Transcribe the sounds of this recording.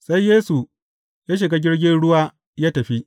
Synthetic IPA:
sa˦jjːeː˦su˨ | jaː˦ʃ̬ɪ˨ɡa˦ɡʲɪ˦ɽɡʲɪ˦nɽʊ˦waː˦ | jaː˦tɐ˨ɸi˦ʔ

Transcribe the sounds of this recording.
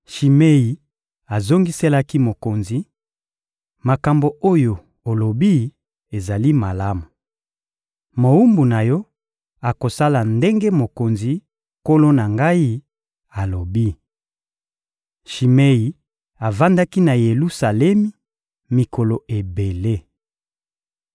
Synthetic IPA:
ʃi˨me˦i˨ | a˨zo˦ŋɡi˦se˦la˦ki˦mo˨ko˨nzi˨ | ma˨ka˨mbo˨o˦jo˨ | o˨lo˨bi˦ | e˨za˨li˦ma˨la˦mu˨ | mo˨u˦mbu˨na˨jɔ˦ | a˨ko˨sa˦la˨nde˦ŋɡe˦mo˨ko˨nzi˨ | ko˦lo˦na˨ŋɡa˦i˦ | a˨lo˨bi˦ | ʃi˨me˦i˨ | a˨va˦nda˦ki˦na˨je˨lu˦sa˨lɛ˦mi˦ | mi˨ko˨lo˨ʔe˨be˨le˦

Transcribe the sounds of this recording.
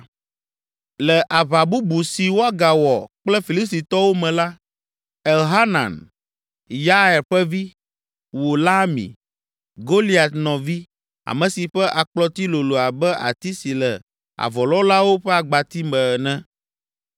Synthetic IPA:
lɛ˨ʔa˨βa˨bu˦bu˨si˨wo˦a˦ɡa˨wɔ˨k͡plɛ˦fi˨li˦st̪i˨t̪ɔ˦wo˦mɛ̃˨la˦ | ɛ˨lɦa˦nã̰˨n | ja˦ɛ˨ɾɸɛ˦vi˦ | wo˨la˦mḭ̃˨ | ɡo˦li˦a˨t̪nɔ̃˨vi˦ | a̰˨mɛ̃˨si˨ɸɛ˦ʔa˨k͡plɔ˦t̪i˦lo˨lo˨a˨bɛ˦ʔa̰˨t̪i˦si˨lɛ˨ | a̰˨vɔ˨lɔ˦la˦wo˦ɸɛ˦a˨ɡ͡ba˨t̪i˦mɛ˨nɛ̃˦

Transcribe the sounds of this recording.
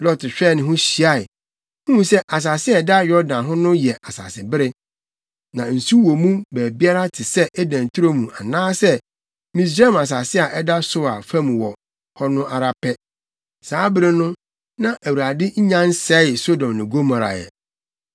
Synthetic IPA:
lɔ˦tɪ˨ɕᶣɛː˦˨nɪ̃˨ɦʊ̃˦ɕi˨a˦ɪ˨ | hũ˦˨˦sɛ˦ʔa˨s̬a˨sɪ˦ɛ˨da˦jɔ˦ɾdã˨nɦʊ̃˦nʊ̃˦jɛ˨ʔa˨sa̰˨sɪ˨bɪ˦ɾɪ˦ | nã˨n̩˨su˦wɔ˨mũ˦bæː˨bi˦a˦ɾa˦tʰɪ˨sɛ˦ʔɛ˦dã˨n˨tʰu˦ɾo˦mũ˨a̰˨nãː˦sɛ˦ | mĩ˨s̬ɾa˦˨ma˨s̬a˨sɪ˦a˨ʔɛ˦da˦sʊ˦a˨fã˦m̃˨wɔ˨ | hɔ˦nʊ̃˦ʔa˨ɾa˦pʰɛ˦ | saː˨˦bɪ˦ɾɪ˦nʊ̃˦ | nã˦ʔæ˨wu˨ɾa˨dɪ˦ɲ̩˦ɲã˦n̩˦sɛ˦˨so˦dɔ̃˨mnɪ̃˨ɡo˦mã˨ɾa̰˨jɛ̰˨

